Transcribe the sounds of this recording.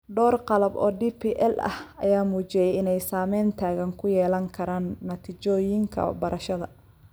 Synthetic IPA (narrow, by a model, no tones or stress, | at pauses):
ɖɔːrqɑlɐbɔ̰ːɖiːpʰiːʔɛlɐ̰hɐ̰jaːmuːt͡ʃɪjɛjɪnɛjsaːmɛjnt̪ʰaːɣɐŋkʰʊjɛːlɐŋkʰɐɾaːnːɐt̪ʰit͡ʃɔːjɪŋkʰɐ̰bɐɾʔɐʃɐðɐ̰